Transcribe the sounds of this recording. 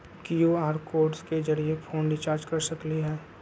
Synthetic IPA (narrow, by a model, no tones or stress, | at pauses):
kijoaːɾkoːɾɖsked͡ʒɐɾiepʰoːnɖɪt͡ʃaːɾd͡ʒkɐɾsɐkliɦɛː